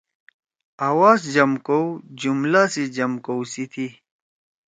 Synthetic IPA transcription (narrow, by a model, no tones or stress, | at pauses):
awaːsd͡ʑɐmkowd͡ʑumlasid͡ʑɐmkowsit̪ʰi